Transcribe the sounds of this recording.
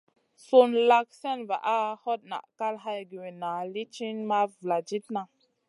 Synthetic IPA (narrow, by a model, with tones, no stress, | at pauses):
so˧nla˧k̚sɛ˦nva̰˨ʔa˦hɔ˦t̚na̰˨ʔka˦lɦa˦jɡi˨we˨na˨li˦t͡ʃi˦nma˦vla˨d͡ʒi˦t̚na˨